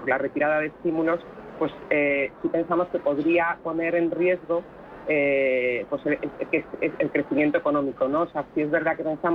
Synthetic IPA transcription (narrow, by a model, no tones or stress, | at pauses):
ɾlare̞t̪iɾað̞að̞e̞st̪imulo̞spwe̞sesipe̞nsamo̞ske̞po̞ðɾiapo̞ne̞ɾe̞nrje̞zɣ̞o̞ | epwo̞selekeseelkɾe̞θimje̞nt̪oe̞ko̞nõ̞miko̞no̞ːseasie̞zβe̞ɾð̞ake̞pe̞nsam